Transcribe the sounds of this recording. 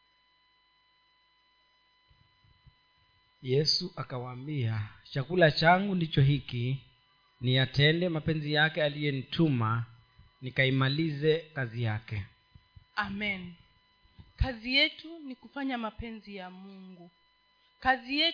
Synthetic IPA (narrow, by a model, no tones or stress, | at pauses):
jɛsuʔakawaːmbiat͡ʃakulat͡ʃaŋɡundit͡ʃɔɦiki | nijatɛndɛmapɛnzijakɛalijɛnitʰuma | nikaimalizɛkazijakɛ | amɛn | kazijɛtunikufaɲamapɛnzijamuŋɡu | kazijɛ